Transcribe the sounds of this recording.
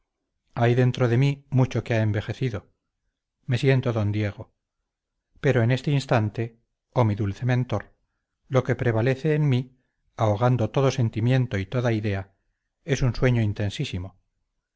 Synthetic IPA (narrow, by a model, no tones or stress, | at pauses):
ajðe̞nt̪ɾo̞ðe̞mimut͡ʃo̞keaembe̞xe̞θiðo̞ | me̞sje̞nt̪oðo̞nd̪je̞ɣ̞o̞ | pe̞ɾo̞ene̞st̪einst̪ant̪e̞ | o̞miðulθe̞mẽ̞nt̪o̞ɾ | lo̞ke̞pɾe̞β̞ale̞θe̞ːnmi | aoɣand̪o̞t̪o̞ðo̞se̞nt̪imje̞nt̪o̞it̪o̞ðaiðe̞a | e̞sunswe̞ɲo̞int̪e̞nsisimo̞